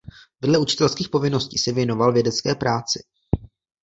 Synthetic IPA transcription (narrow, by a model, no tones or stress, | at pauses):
vɛdlɛut͡ʃɪ̥t̪ɛlskiːxpo̞vɪno̞sciːsɛvjɛno̞valvjɛdɛt͡skɛːpɾaːt͡sɪ